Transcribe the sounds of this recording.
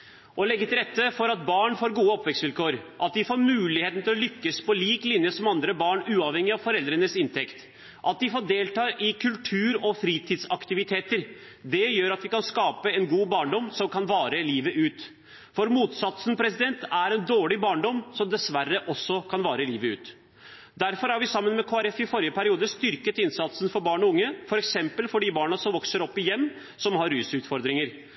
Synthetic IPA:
ʔɔlɛɡːət̪ɪlɾɛt̪ːəfɔɾɑt̪̚bɑːɳfoːɾɡuːəɔpʋɛksʋɪlkʰoːɾʔɑt̪̚d̪ɪfoːɾmʉːlɪheːt̪n̩t̪ʰɪlɔlʏkːəspɔliːklɪnjəsɔmɑnd̪ɾəbɑːɳʉːɑːʋhɛŋɪɑʋfɔɾɛld̪ɾənəsɪnt̪ʰɛkt̪ | ʔɑt̪̚d̪ɪfoːɖeːlt̪ɑːʔɪkʰʉlt̪ʰʉːɾɔfɾiːt̪ʰiːd̪sɑkt̪ɪʋɪt̪ʰeːt̪əɾ | d̪ɛjøːɾɑt̪ʋɪkɑnskɑːpəɛnɡuːbɑːɳɖɔmsɔmkʰɑnʋɑːɾəliːʋəʔʉːt̪ | fɔɾmuːt̪sɑt̪sən̩pʰɾɛsɪd̪ɛnt̪æɾɛnd̪oːɭɪbɑːɳɖɔmːsɔmd̪ɛsʋærːəʔɔsːɔkʰɑnʋɑːɾəliːʋəʉ̰ːt̪ | d̪æɾfɔɾhæɾʋɪsɑmːənmɛkʰoːæɾɛfɪfɔɾjəpʰæɾɪuːd̪əst̪ʏɾkət̪ɪnsɑt̪sənfɔɾbɑːɳɔʊŋːəfɔɾɛksɛmpəlfɔɖibɑːɳɑsɔmʋɔksəɾɔpːɪjɛmː | sɔmɦɑɾʉːsʉːt̪fɔɾd̪ɾɪŋəɾ

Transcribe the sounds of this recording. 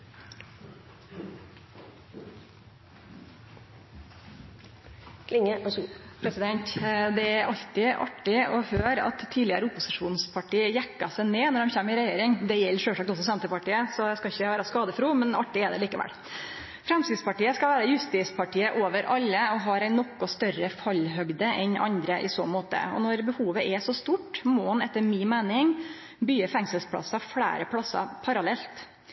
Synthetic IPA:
kʰlɪŋəʔpʰɾɛsɪd̪ɛnt̪d̪ɛæɾʔɑʎt̪ɪʔɑ̰ʈːɪɔhøːɾɑ̰t̪ʰːiːd̪lɪəɾəʊpʊsɪʂuːnspʰɑʈiːəjækːɑsæɪneːnɔɖɛmçɛmɪɾɛjeːɾɪŋd̪ɛjɛlːəʂøːʂɑːkt̪ɔs̬ɔsɑmt̪əpɑʈiːəsɔæɪskɑɪçːəʋæːɾɑskɑːd̪əfɾuːmɛnɑ̰ʈːɪɛd̪ɛ̰liːkəʋɛ̰l | fɾɛmst̪ɪd̪spɑʈiːəskɑʋæːɾɑjʉst̪ɪspʰɑʈiːəʔoːʋəɾʔɑlːəɔɦɑɾæɪnɔkːɔst̪œrəfɑlːɦœɡd̪əʔɛnɑ̰nd̪ɾəʔɪso̰ːmoːt̪ə̰ɔ̰nɔɾbəhuːʋəʔɛʂɔst̪uːʈmɔhɑnɛt̪ːəɾmɪːmæɪnɪŋ | byːəfɛŋsəlspʰlɑ̰sɑfɽæ̰ːɾəpʰlɑsːɑ̰pʰɑɾɑlɛlt̪

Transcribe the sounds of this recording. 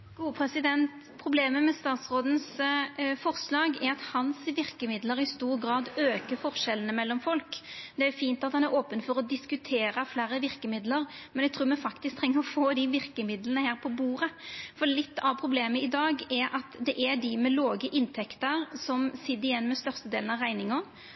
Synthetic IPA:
ɡ̥uːəpʰɾɛsɪd̪ɛnt̪ | pʰɾʊbleːməmɛst̪ɑːt̪sʁoːd̪n̩s | fɔɾslɑːɡɛɾɑt̪hɑnsʋɪɾkəmɪd̪ləɾɪst̪uːɾɡɾɑːd̪øːkəfɔɾʂɛlənəmɛlːɔmfɔlkd̪ɛæɾfiːnt̪ɑt̪hɑnæɾoːpənfɔɾɔd̪ɪskʉt̪ʰeːɾəflæːɾəʋɪɾkəmɪd̪ləɾmɛnɛɡt̪ʰɾuːɾmɛfɑkt̪ɪsk̚t̪ʰʁɛŋːəɾɔfoːd̪iʋɪɾkəmɪd̪lənəhæːɾpʰɔbuːɾəfɔɾlɪt̪ːɑʋpʰɾʊbleːməɪd̪ɑːɡɛɾʔɑt̪d̪ɛʔæɖɪmɛloːɡəʔɪnt̪ʰɛkt̪əɾsɔmsɪd̪ɪjɛnːmɛst̪œɾst̪əd̪eːlən̩ɑʋʁæɪnɪŋɔn

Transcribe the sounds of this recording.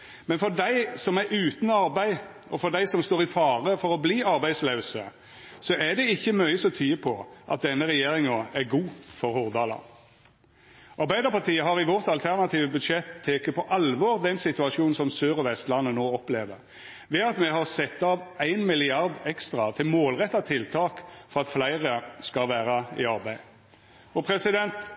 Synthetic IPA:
mɛnfɔd̪æɪsɔmæɾʉːt̪n̩ɑɾbæɪ | ɔfɔʁd̪æɪsɔmst̪oːʁɪfɑːɾəfɔɾɔbliːɑɾbæɪd̪sleːsə̰ | sɔʔæd̪ɛɪçːəmœʏəsɔt̪ʰyːəpʰɔʔɑ̰t̪̚d̪ɛnːəʁɛjeːɾɪŋoːæɾɡuːfɔɾhuːʁd̪ɑːlɑ̰ | ʔɑʁbæɪd̪əʁpɑʁt̪ʰiːəɦɑʁɪʋɔʁt̪ɑlt̪ʰæʁnɑt̪iːʋəbʉd̪ʂɛt̪ʰːeːkəpʰɔʔɑlʋoːʁd̪ɛnsɪt̪ʉɑʂuːnn̩sɔmsøːɾɔʋɛst̪lɑnːənoːɔpleːʋəʁ | ʋɛɑt̪mɛɦɑʁsɛt̪ːɑːʋæɪnmɪlɪɑʁd̪ɛkst̪ʁɑt̪ʰɪlmoːlʁɛt̪ːɑt̪ʰɪlt̪ʰɑːkfɔʁɑt̪flæɪʁəskɑlʋæːɾɑɪɑʁbæɪ | ɔpʰɾɛsɪd̪ɛnt̪

